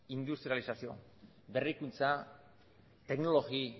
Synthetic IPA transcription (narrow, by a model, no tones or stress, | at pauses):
ind̪ust̪ɾialisasio̞̰ | be̞rikunt͡sa | t̪e̞kno̞lo̞ɣi